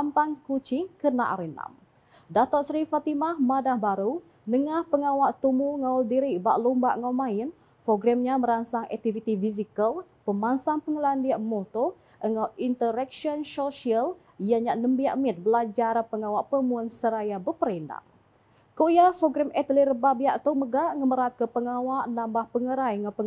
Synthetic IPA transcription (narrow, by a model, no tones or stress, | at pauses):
ampaŋkut͡ʃiŋkəna̰ʔa̰ɾina̰m | dat̪ɔtsɾifat̪imahmadahbaɾu | nəŋahpəŋawaʔt̪umuəŋaldiɾiʔbaʔlumbaʔŋawmain | foɡɾɛmɲaməɾansaŋɛ̰k̚t̪ivit̪ifisikəl | pəmansaŋpəŋəlandiaʔmɔt̪o | ʔəŋawint̪əɾɛk̚ʃɔnsɔʃiəl | jaɲaʔnəmbiaʔmit̪̚bəlad͡ʒaɾpəŋawaʔpəmuənsəɾajabəpəɾɛnda̰ʔ | koʔjafoɡɾɛmɛt̪əlirəbabiaʔt̪oməɡaʔŋəməɾat̪̚kəpəŋawaʔnambahpəŋəɾajŋapə